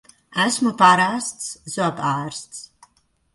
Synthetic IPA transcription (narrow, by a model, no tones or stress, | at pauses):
æsmupaɾaːst̪szɔapaːɾst̪s